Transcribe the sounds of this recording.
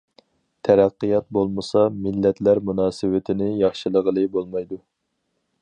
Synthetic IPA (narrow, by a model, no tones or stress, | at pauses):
t̪ʰæɾæqːijɑt̪̚bolˠmɨsɑmɪlːɛt̪læɾmunɑːsɨwɪt̪ʰɪnɪjɑχʃilˠəʁəlˠɨbolˠmɑjd̪u